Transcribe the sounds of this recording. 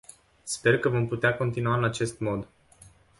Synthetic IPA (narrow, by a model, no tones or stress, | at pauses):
spe̞rkəvo̞mput̪eako̞nt̪inuaɨnat͡ʃe̞st̪mo̞d̪